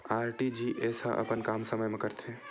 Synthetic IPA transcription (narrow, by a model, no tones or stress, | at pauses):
aɾʈid͡ʒiʔesəʔə̰pənkamsəməjmekəɾt̪ʰe